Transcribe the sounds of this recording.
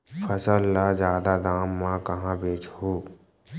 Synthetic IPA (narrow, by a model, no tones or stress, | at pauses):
fʰəsəlːazjaːd̪ad̪aːmːãkəɦãbeːt͡ʃhoː